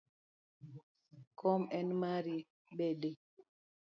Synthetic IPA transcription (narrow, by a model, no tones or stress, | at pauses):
kʰɔmɛnmaɾi | ɓede